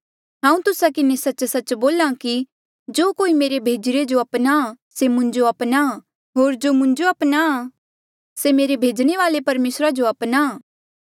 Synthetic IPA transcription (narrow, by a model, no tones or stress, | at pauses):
ɦãːũt̪ʊsakɪnesɐtːt͡ʃsɐt͡ʃboːlãki | d͡ʒoːkoːimeːɾebʱeːd͡ʒɪɾed͡ʒoɐpna | semʊ̃ɲd͡ʒoɐpna | ɦoːɾd͡ʒoːmʊ̃ɲd͡ʒoɐpna | semeːɾebʱeːd͡ʒɽ̃eʋaːlepɐɾmeːsɾad͡ʒoɐpnaː